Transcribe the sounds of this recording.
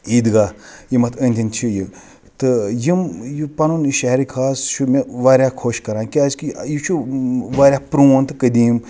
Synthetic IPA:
iːd̪ɡajimɐt̪ʰənʲt̪ʰʲint͡ʃʰiji | t̪ɨjimjupɐnuniʃɐɦɾikʰaːst͡ʃʰumeʋaːɾʲjakʰoːʃkɐɾãːnkiazkijit͡ʃʰuʋaːɾʲjapɾuːnt̪ɨkəd̪iːm

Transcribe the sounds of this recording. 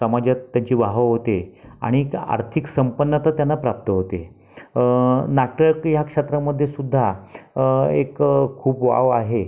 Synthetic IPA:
səmad͡ʑat̪ːjaɲt͡ɕiːʋaɦəɦot̪ea̰ɽ̃ika̰ɾt̪ʰiksəmpənːət̪ət̪janːapɾap̚t̪əɦot̪e | nak̚ʈəɾkjakʂet̪ɾəməd̪ʱjesud̪ʱːa | ḛkkʰuːpʋa̰ʋaɦe

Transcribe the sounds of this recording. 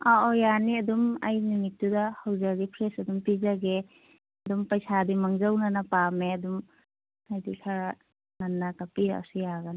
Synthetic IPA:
ɔʔɔjaniɐduma̰jnumitːudahawzaɡipʰɾesɐdumpizaɡe | ɐdumpajsadimaŋzawnanapameɐdum | ajdikʰaɾ | nanːakapiɾa̰a̰sijaɡana

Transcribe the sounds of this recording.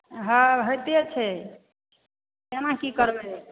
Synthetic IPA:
ɦãɦəjt̪et͡ʃʰɛ | emãkikəɾbɛ

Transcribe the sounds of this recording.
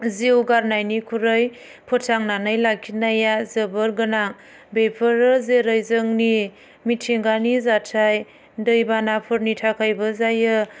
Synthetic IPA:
ziwɡaɾnajnikʰuɾɯj | pʰɔtʰaŋnanɯjlakʰːinajazəbɯɾɡɯnaŋ | bepʰɯɾɯzeɾɯjzɯŋni | mitʰeŋɡanizatʰaj | dɯjbanapʰɯɾnitʰakʰajbɯzajɯ

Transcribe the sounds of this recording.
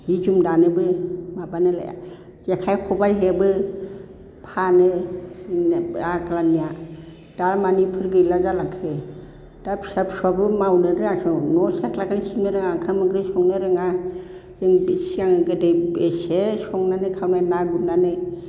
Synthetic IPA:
hid͡ʒumdanɯbɯmabanɯla̰ja̰ | d͡ʒekʰajkʰɔbajɦebɯ | pʰanɯ | naklanija | d̥aɾmanipʰɯɾɡɯlazalakʰe | d̥apsapsɔbɯmawnɯɾɯasɔnɔseklakanisinɯɾɯŋaŋkʰamɯɡɾɯsɔŋnɯɾɯŋa | zeŋbisiaŋɯɡɯdejbesesɔŋnanɯkʰawnanaɡut̚nanɯ

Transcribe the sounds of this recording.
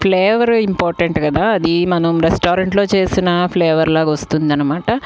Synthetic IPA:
pʰleːʋɐɾimpaːɾʈɐɳʈkɐd̪aːɐd̪imɐnɐmɾesʈaːɾɐɳʈlo̞ːt͡ʃe̞ːsinɐpʰleːʋɐɾlaːkʋɐst̪und̪ɐnːɐmaːʈɐ

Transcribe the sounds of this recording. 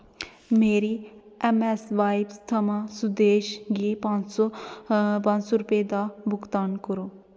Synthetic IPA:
meːɾi | ɛmesʋaːjbst̪ʰɐmãsud̪eːʃɡipãnso | pãnsoɾuped̪abʱukt̪aːnkoɾu

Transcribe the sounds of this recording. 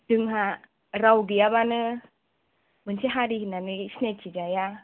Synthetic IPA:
d̥ɯŋɦa | ɾawɡijabanɯ | mɯnsiɦaɾiɦinanɯsnet͡ʃid͡ʒaja

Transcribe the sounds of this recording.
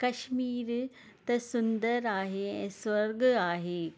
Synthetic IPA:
kɐʃmiːɾ | t̪ɐsʊnd̪əɾaːɦeɛ̃ːswɐɾɡaːɦeː

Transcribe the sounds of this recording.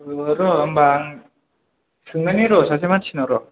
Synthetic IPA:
ɯɾoʌmbaŋ | sɯŋɯniɾosʰas̬ʰemat͡ɕʰinɯɾo

